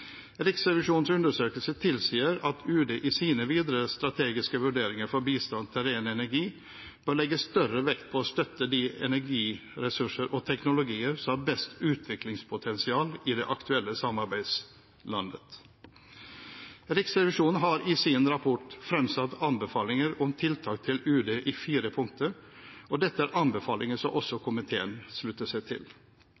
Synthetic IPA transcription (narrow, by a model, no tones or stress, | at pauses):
ɾɪksɾɛʋɪʂuːnn̩sʉnd̪əʂøːkəlsət̪ʰɪlsiːəɾɑt̪ʰʉːd̪eʔɪsiːnəʋiːd̪ɾəst̪ɾɑt̪ʰeːɡɪskəʋʉɖeːɾɪŋəɾfɔɾbiːst̪ɑnt̪ʰɪɾeːnɛnæɾɡiː | b̥øːɭɛɡːəst̪œɾəʋɛkt̪̚pʰɔɔst̪œt̪ːəd̪iɛ̰næɾɡiːɾɛsʉʂəɾʔɔt̪ʰɛknʊlʊɡiːəɾsɔmhɑɾbɛst̪ʉːt̪ʰʋɪklɪŋspʰʊt̪ʰɛnsɪɑːlɪd̪ɛʔɑkt̪ʰʉɛlːəsɑmɑɾbæɪd̪s | lɑnd̪ət̪ | ɾɪksɾɛʋɪʂuːnn̩ɦɑɾɪsinɾɑpʰɔʈfɾɛmsɑt̪ːɑnbɛfɑːlɪŋəɾɔmt̪ʰɪlt̪ʰɑːk̚t̪ʰɪlʉːd̪eːʔɪfiːɾəpʰʊŋk̚t̪ʰəɾ | ɔd̪ɛt̪ːəæːɾʔɑnbɛfɑːlɪŋəʂɔmʔɔsːɔkʰʊmɪt̪ʰeːənʂlʉt̪ːəʂæɪt̪ʰɪ̰l